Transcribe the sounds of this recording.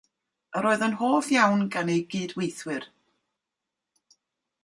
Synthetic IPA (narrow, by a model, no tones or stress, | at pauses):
əɾoːɨðənɦoːvjawnɡanejɡiːdwejθwɨr